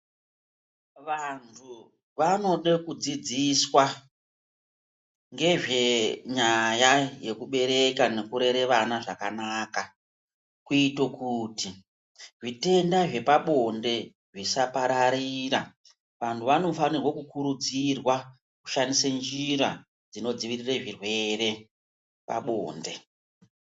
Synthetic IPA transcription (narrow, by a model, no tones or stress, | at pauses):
ʋantʰu | ʋano̞ɗekud͡zid͡ziswa | ŋɡe̞ʐe̞ɲajaje̞kuɓe̞ɾe̞kane̞kuɾe̞ɾe̞ʋanaʐakanaːka | kuitokuti | ʐite̞ndaʐe̞paɓo̞nde̞ | ʐisapaɾaɾiɾa | ʋantʰuʋano̞fanirwokukuɾud͡zirwa | ku̥ʃanisend͡ʒiɾa | d͡zino̞d͡ziʋirireʐirwe̞re̞ | pa̰ɓo̰ːnde̞